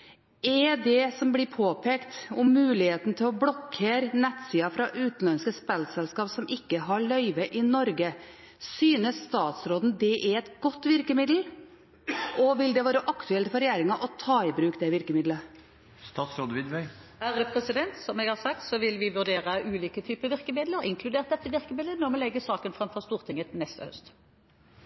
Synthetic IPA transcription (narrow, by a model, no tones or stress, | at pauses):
ɛd̪ɛsɔmblɪpʰoːpʰeːkt̪ʊmːʉːlɪheːt̪n̩t̪ʰɪlɔbɽɔkʰːeːɾənɛt̪siːɑfɾɑʔʉːt̪n̩lɑnskəspɛlsɛlskɑːpsɔmɪkːəɦɑɭœʏʋəʔɪnɔɾɡə | syːnəsst̪ɑːt̪sɾoːd̪n̩d̪ɛʔɛɛt̪ɡɔt̪ːʋɪɾkəmɪd̪l̩ | ʔɔʋɪld̪ɛʋɑːɾəʔɑkt̪ʉɛlt̪fɔɾɛjæːɾɪŋɑʔɔt̪ʰɑːɪbɾʉːkd̪ɛʋɪɾkəmɪd̪lə | st̪ɑːt̪sɾoːd̪əʋɪd̪ʋœʏæɾəpʰɾɛsɪd̪ɛnt̪sɔmɛɡhɑʁsɑk̚t̪sɔʋɪlʋɪʋʉd̪eːɾəʔʉːliːkət̪ʰyːpəʋɪʁkəmɪd̪ləɾɪ̰ŋkʰlʉd̪eːʁt̪d̪ɛt̪ːəʋɪɾkəmɪd̪lənɔʁmɛlɛɡːəsɑːkənfɾɑmfɔʁst̪uːʁt̪ʰɪŋət̪nɛst̪əhœ̰st̪